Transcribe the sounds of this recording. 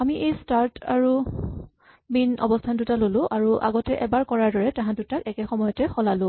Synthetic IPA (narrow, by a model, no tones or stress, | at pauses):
amiʔejstaɹtaɹu | minɔ̰bɔstʰantʊtalolʊ̃ʔaɹuʔa̰ɡɔtɛʔɛbaɹkɔɹaɹdɔɹɛtaɦãtʊtakɛkɛxɔmɔjɔtɛxɔlalʊ̃